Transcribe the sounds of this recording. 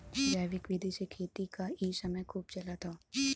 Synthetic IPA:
d͡ʒaːʋɪkʋɪd̪ʱisekʰeːt̪ikaiːsɐməjkʰuːb̚t͡ʃɐlat̪ʰaː

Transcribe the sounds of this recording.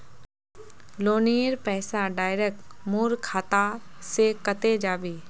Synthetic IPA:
loːniːɾpɛːsaɖaːɪɾekmuːɾkʰaːt̪asekət̪ed͡ʒaːbiː

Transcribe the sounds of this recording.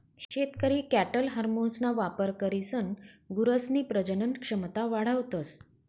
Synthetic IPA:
ɕɕet̪kəɾiːkæʈəlɦəɾmonsnaʋapəɾkəɾisənɡuɾəsniːpɾəd͡ʑənənkʂəmt̪aʋaɽ̤əʋt̪əs

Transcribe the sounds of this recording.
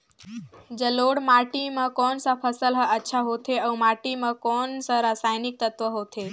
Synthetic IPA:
d͡ʒəloːɽmaʈimãkɔnsapʰəsəlɦəətːʃʰaɦot̪ʰeəumaʈimãkɔnsaɾasaːjnɪk̚t̪ət̪ʋəɦot̪ʰe

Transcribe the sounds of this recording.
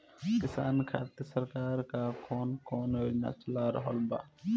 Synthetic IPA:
kɪsa̰ːnkʰa̰ːt̪isəɾkaːɾkakoːnkoːnona̰t͡ʃəlaɾəɦɔlba̰ː

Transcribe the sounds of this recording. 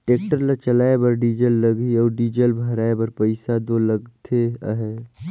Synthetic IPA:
ʈeːk̚ʈəɾlat͡ʃəlaːebəɾɖid͡ʒelːəɡiɔːɾɖid͡ʒeːlbʱəɾaːebəɾpəɪsad̪oləɡt̪ʰea̰ɦe

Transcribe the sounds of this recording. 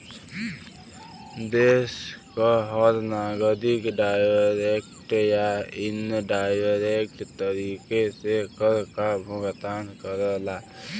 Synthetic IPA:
d̪eːskaɦɔɾnaɡəd̪ɪkɖajɾekʈjaɪnɖaːjɾekʈt̪əɾiːkesekəɾkabʱuɡt̪ankəɾəla

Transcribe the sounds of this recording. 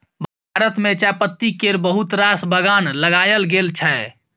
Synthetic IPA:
bʱaɾət̪met͡ʃapət̪ːikeɾbəɦut̪ɾasbəɡanləɡajəlɡelt͡ʃʰɛ

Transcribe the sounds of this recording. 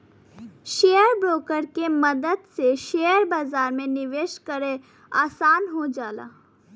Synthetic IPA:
ʃeːjəɾbɾoːkəɾkemɐd̪əd̪seʃeːjəɾbaːzaːɾmẽnɪʋeːʃkəɾe | aːsaːnɦod͡ʒaːla̰ː

